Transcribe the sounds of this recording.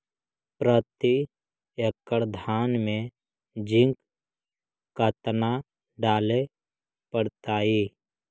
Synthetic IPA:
pɾət̪i | jəkːəɾd̪ʱaːnmẽ | d͡ʒɪ̃ŋk | kət̪na | ɖaːle | pəɽt̪aːiː

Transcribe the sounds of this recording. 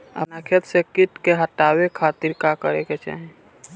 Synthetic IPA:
ə̰nakʰet̪sekɪʈkeɦəʈaːwekʰaːt̪iɾkakəɾeket͡ʃa̰ːɦẽ

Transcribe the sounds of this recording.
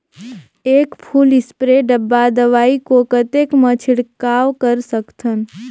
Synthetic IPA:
eːkpʰuːlɪspɾeɖəbːad̪əʋaːikokət̪eːkmət͡ʃʰɪɽkaːwkəɾsəkt̪ʰən

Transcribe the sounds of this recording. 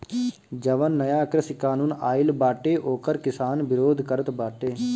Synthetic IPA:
d͡ʒəʋənːəjaːkɾəsikaːnuːnaːɪlbaːʈeːʔoːkəɾkɪsaːnbɪɾoːd̪ʱkəɾət̪baːʈeː

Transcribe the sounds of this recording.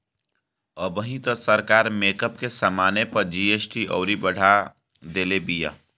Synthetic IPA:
əbəɦĩt̪osəɾkaːɾmeːkəpkesəmaːnepəɾd͡ʒiːeːsʈiɔ̰ːɾibəɽ̤a | d̪eːlebija̰ː

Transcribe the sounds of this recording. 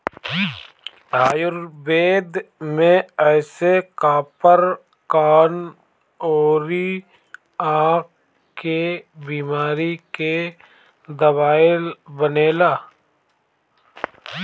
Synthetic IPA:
aːjʊɾbeːd̪mẽɛːsekaːpəɾ | kaːn | oːɾi | ãːk̚ | kebiːmaːɾike | d̪əβaːɪlbəneːlaː

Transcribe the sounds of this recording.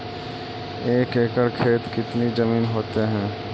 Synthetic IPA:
eːkeːkəɾkʰeːt̪kɪt̪nid͡ʒəmiːnɦoːt̪eɦɛ̃ː

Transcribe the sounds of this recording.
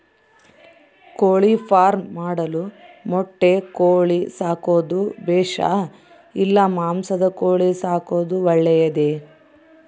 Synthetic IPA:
koːɭipʰaːɾmːaːɽɐlumɔʈːekoːɭisaːkoːd̪ubɛːʂa̰ | ilːɐmaːmsɐd̪ɐkoːɭisaːko̞ːd̪uʋɐɭːɛjɐd̪e

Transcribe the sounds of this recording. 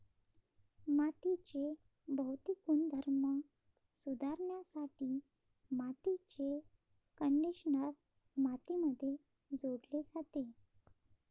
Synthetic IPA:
mat̪it͡ɕe | bʱəwt̪ikuːnd̪ʱəɾmə | sud̪ʱaɾɳjasaʈiː | mat̪it͡ɕe | kəɳɖiɕənat̪̚ | mat̪iməd̪ʱːje | d͡zoɽled͡zat̪e

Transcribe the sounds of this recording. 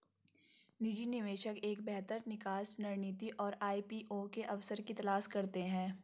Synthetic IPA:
nɪd͡ʒinɪʋeːʃəkeːk̚bɛɦt̪əɾnɪkaːsnɐɾniːt̪iʔɔːɾaːipiːʔokeʔɐʋsəɾkit̪ɐlaːskɐɾt̪eɦɛ̃ː

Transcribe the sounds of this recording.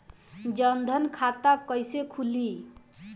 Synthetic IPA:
d͡ʒʌnd̪ʱʌnkʰat̪akʌjsekʰuli

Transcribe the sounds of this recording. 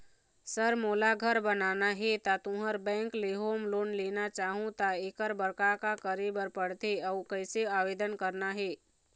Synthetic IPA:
səɾmoːlaɡʱəɾbənanaɦet̪at̪ũɦəɾbɛ̃ŋkleɦomloːnlenat͡ʃaɦũt̪aekəɾbəɾkakakəɾebəɾpəɽt̪eəwkəjseaʋed̪ənkəɾnaɦe

